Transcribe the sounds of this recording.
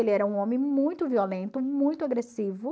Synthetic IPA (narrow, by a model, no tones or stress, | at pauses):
elɪɛɾɐũõmẽmũj̃t̪ʊviolẽnt̪ʊmũj̃t̪ʊaɡɾesivʊ